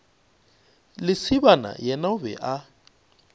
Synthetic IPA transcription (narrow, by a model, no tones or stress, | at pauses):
lɪsɪbana̰jɛnaʊbɛ̰ʔa